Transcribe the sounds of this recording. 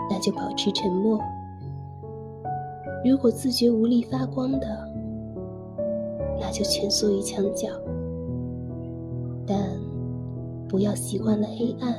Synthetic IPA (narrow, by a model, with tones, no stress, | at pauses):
na˥˩t͡ɕjo˥˩ʊpɑ˨˩ʊʈ͡ʂ̩ʰ˥˩ʈ͡ʂʰə˧˥nmwɔ˥˩ | ɻu˧˥kwɔ˨˩t͡sɹ̩˥˩t͡ɕɥɛ˧˥u˧˥li˥˩fa˥kwɑ˥ŋd̪ə˨ | na˥˩t͡ɕjo˥˩ʊt͡ɕʰɥə˧˥nsɔ˥˧i˥˩t͡ɕʰjɑ˧˥ŋt͡ɕjɑ˨˩˦ʊ | t̪a˥˩n | pu˧˥jɑ˥˩ʊɕi˧˥kwa˥˩nlə˩xe˥ɪʔa˥˩n